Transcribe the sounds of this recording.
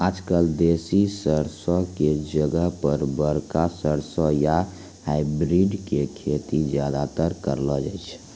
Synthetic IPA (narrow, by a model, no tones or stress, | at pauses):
ad͡ʒkəld̪esisəɾsɔked͡ʒəɡəɦpəɾbəɾkasəɾsəja | haibɾiɖkekʰet̪id͡ʒjad̪at̪əɾkə̰ɾlɔd͡ʒat͡ʃʰ